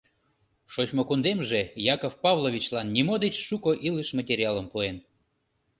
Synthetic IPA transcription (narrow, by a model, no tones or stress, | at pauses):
ʃot͡ɕmokund̪emʒejɑkofpɑvlˠovʲit͡ɕlɑnːimod̪et͡ɕʃukoʔiləʃmətʲeɾʲiɑləmpuen